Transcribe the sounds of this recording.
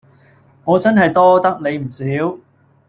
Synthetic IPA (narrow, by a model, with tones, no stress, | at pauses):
ŋɔː˨˧t͡sɐ˥nɦɐ˨jt̪ɔː˥t̪ɐ˥k̚ne˨˧jm̩˨˩siː˨˥w